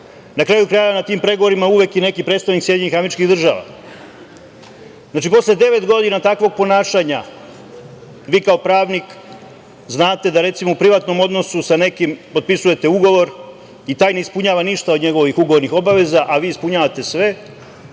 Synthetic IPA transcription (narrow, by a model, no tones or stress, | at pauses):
nakɾaːjukɾaːjanat̪iːmpɾe̞ɡoʋo̞ɾimauʋe̞kine̞kipɾet̪st̪aʋniksje̞d̪ɲeixameɾit͡ʃkiɣd̪r̩ʒa̰ːʋa̰ | znaːt͡ʃipo̞sle̞d̪e̞ʋe̞t̪ɡo̞d̪inat̪akʋo̞ɡ̚po̞naːʃaɲa | ʋiːkao̞pɾaːʋnik | znaːt̪e̞d̪aɾe̞t̪simoupɾiʋat̪no̞mo̞d̪no̞susane̞kimpo̞t̪̚pisuje̞t̪e̞uɡo̞ʋo̞ɾ | it̪aːjneispuɲaːʋaniʃt̪aod̪ɲe̞ɡo̞ʋixuɡo̞ʋo̞ɾnixo̞baʋe̞zaʔaʋiːispuɲaːʋat̪e̞sʋe̞